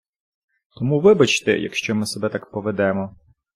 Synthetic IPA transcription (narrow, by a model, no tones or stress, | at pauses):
t̪ɔmuʋɪbɐt͡ʃt̪ɛ̰jɐ̰kʃt͡ʃɔmɪsɔbɛt̪akpɔʋed̪ɛmɔ